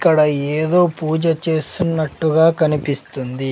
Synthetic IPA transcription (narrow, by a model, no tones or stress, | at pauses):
kːɐɽɐeːd̪o̞ːpuːd͡ʒɐt͡ʃe̞ːsunːɐʈːuɡaːkɐnipist̪und̪i